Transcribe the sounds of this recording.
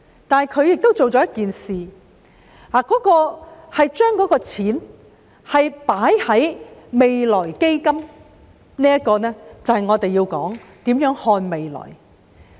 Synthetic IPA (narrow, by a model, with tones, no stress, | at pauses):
t̪aː˨nhɐ˨˩jkʰɵ˨˧ɥjɪ˨k̚t̪o˥wt͡so˨wt͡ʃɔː˨˥jɐ˥t̚kiː˨nsiː˨ | haː˨˩kɔː˨˥kɔː˧hɐ˨jt͡ʃœː˥ŋkɔː˨˥kɔː˧t͡sʰiː˨˥n | hɐ˨jpaː˨˥jhɐ˨˥jme˨jlɔː˨˩jke˥jkɐ˥m | niː˥jɐ˥t̚kɔː˧nɛː˥t͡sɐ˨whɐ˨jŋɔː˨˧t̪e˨jiː˧wkɔ̰ː˨˥ŋt̪iː˨˥mjœː˨˥ŋhɔː˧nme˨jlɔ̰ː˨˩j